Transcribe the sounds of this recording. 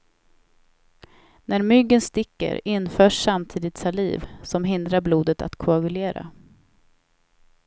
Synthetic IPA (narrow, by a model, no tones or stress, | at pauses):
næɾmʏɡːənst̪ɪkːə̰ɾɪnfœːʂːamt̪ʰiːd̪ɪt̪saliːvsɔmɦɪnd̪ɾaɾbluːd̪ət̪a̰t̪kʰʊaɡɵleːɾa̰